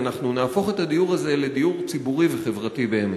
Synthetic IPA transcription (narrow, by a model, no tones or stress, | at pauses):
naχnunaːfo̞χe̞tad̪ijuʁaze̞le̞d̪ijuʁt͡sibuʁiveχe̞vʁatibeeme